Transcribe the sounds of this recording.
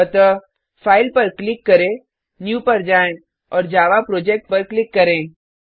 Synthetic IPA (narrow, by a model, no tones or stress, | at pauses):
ət̪ə | fʰaːɪlpəɾklɪkːəɾẽ | njuːpəɾd͡ʒaːẽ | ɔːɾd͡ʒaːʋapɾoːd͡ʒek̚ʈ̚pəɾklɪkːəɾẽ